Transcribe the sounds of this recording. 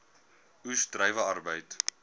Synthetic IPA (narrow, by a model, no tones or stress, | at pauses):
ʉstrəjvəɐrbəjt